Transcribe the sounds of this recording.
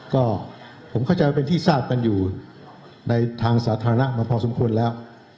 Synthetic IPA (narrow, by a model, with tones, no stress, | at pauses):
kɔː˥˩ | pʰo˩˦mkʰa˥˩wt͡ɕa˧jwaː˥˩e˧nt̪ʰiː˥˩saː˥˩p̚ka˧njuː˨˩ | na˧jt̪ʰaː˧ŋsaː˩˦˥t̪ʰaː˧ɾa˧na˦˥maː˧pʰɔː˧so˩˦mkʰu˧ənlɛː˦˥w